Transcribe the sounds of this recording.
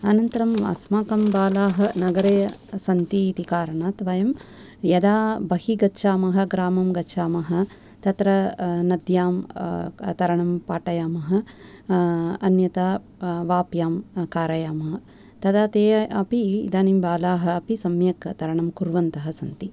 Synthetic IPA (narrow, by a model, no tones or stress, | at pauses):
ɐnɐnt̪ɐɾɐmʋa̰ːsmaːkɐmbaːlaːɦɐ̆nɐɡɐɾeːsɐnt̪iːt̪ikaːɾɐɳaːt̪ʋɐjɐm | jɐd̪aːbɐhiɡɐʃʰaːmɐɦɐ̆ɡɾaːmɐmɡɐʃʰaːmɐɦɐ̆ | t̪ɐt̪ɾɐnɐd̪jaːm | t̪ɐɾɐɳɐmpaːʈɐjaːmɐɦɐ̆ | ɐnjɐt̪aː | ʋaːpjaːmkaːɾɐjaːmɐɦɐ | t̪ɐd̪aːt̪eːɐpḭːd̪aːnimbaːlaːɦɐ̆ːpisɐmjɐkt̪ɐɾɐɳɐmkuɾʋɐnt̪ɐɦɐsɐnt̪i